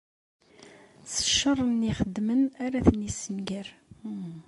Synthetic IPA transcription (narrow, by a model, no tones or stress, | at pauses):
sə̥ʃːərˤːənːiχəd̪ːmənaɾaθnisənɡəɾ